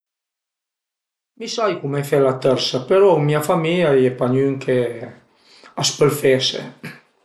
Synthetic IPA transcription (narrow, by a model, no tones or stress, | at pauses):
misajkumɛfɛlat̪əɾsapeɾɔumiafamilajepaɲyŋkʰe | aspəlfɛsḛ